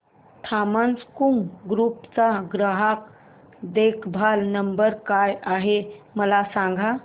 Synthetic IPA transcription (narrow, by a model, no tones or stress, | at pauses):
t̪ʰamant͡skuŋɡɾupt͡saɡɾəɦak | d̪ekʰbʱalnəmbəɾkajaɦeməlasãŋɡʱa